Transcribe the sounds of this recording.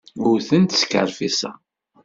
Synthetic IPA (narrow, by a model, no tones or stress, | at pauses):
ʊɾθənt̪sə̥kə̰ɾfisæ̰